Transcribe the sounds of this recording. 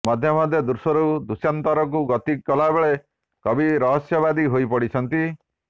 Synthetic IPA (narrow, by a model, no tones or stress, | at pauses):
mɔd̪ʱjɔmɔd̪ʱjɔd̪uɾsɔɾud̪usjant̪ɔɾɔk̬uɡɔt̪ikːɔlabeɭe | kɔbiɾɔɦɔsjɔbad̪iɦojpɔɽit͡ʃʰɔnt̪i